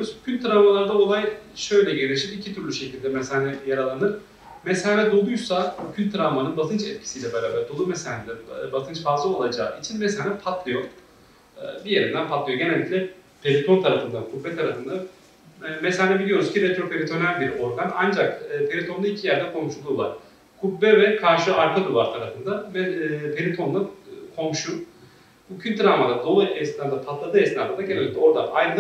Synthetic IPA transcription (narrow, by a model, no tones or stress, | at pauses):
iɾuzcʰynʲt̪ɾavmalˠaɾd̪ao̞lˠajʃø̞jlʲɛɟeɾʲiɾʃipicʰit̪ʰyɾlʲyʃecʰilʲd̪ɛmɛshaːnɛjaɾalˠanɯɾ | meshanɛd̪o̞lˠujsabucʰynʲt̪ʰːɾamanɯnbat̪ʰɯnt͡ʃɛt̪cʰi̥sijlʲɛbeɾaːbæɾd̪olˠumɛsanɛd̪ɛbat̪ʰɯnt͡ʃfazlˠɯolˠad͡ʒa̰ːit͡ʃʰinmɛsanɛpʰat̪lˠɯjo̞ | ɯ̰ːbije̞ɾind̪ænpʰat̪lˠɯjo̞ɟe̞nɛlʲːicʲlʲɛ | pʰeɾit̪ʰo̞nt̪ʰaɾafɯnd̪ankʰuvːɛt̪ʰːaɾafɯnd̪a | mɛsʲanɛbilʲijo̞ɾuz̥cʰiɾɛt̪ɾo̞pʰe̞ɾʲit̪ʰo̞nælʲbiɾo̞ɾɡanand͡ʒakɯːpʰeɾʲit̪ʰo̞nˠuicʰijæɾd̪ɛkʰo̞mʃulˠulˠa̰ɾ | kʰubːɛvɛkʰaɾʃɯaɾk̪ʰad̪ɯlˠaɾt̪ʰaɾafɯnd̪amɛpʰelʲit̪ʰo̞nlːˠankʰo̞mʃu | bucʰynt̪ʰiɾamad̪ad̪o̞lˠuɛsnad̪apʰat̪lˠad̪ɯːɛsnap̪ad̪aɟenelʲic̪̚lʲɛo̞ɾd̪aʔajɯn